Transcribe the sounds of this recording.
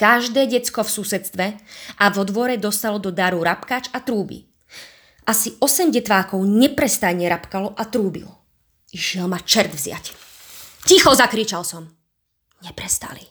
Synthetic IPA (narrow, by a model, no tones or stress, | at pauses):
kaʒd̪ɛːɟɛt͡skɔfsusɛt̪t͡st̪ʋɛʔavɔd̪ʋɔɾɛd̪ɔst̪alɔd̪ɔd̪aɾuɾapkaːt͡ʃat̪ɾuːbḭ | ʔasiʔɔsɛmɟɛt̪ʋaːkɔʊɲɛpɾɛst̪aɲɛɾapkalɔʔat̪ɾuːbḭl | iʃɪɛlmat͡ʃɛɾd̪vzɪa̰c | cixɔzakɾit͡ʃalsɔm | ɲɛpɾɛst̪a̰li